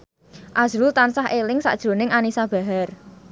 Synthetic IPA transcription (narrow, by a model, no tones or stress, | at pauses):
ʔaz̥ɾut̪ansaɦʔelɪŋsa̰ʔd̥ʒ̥ɾo̤nɪŋanisab̥a̤ɦar